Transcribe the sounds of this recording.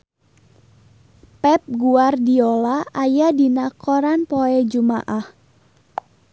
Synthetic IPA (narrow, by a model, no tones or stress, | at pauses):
pɛp̚ɡuardiɔlaajadinakɔɾanpoɛd͡ʒuma̰ʔah